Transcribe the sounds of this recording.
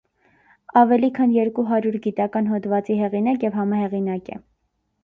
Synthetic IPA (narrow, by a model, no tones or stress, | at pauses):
ɑvɛlikʰɑnjɛɾkuɦɑɾuɾɡit̪ɑkɑn̪ɦɔt̪vɑt͡siɦɛʁinɑkjɛvhɑmɑɦɛʁinɑkɛ̰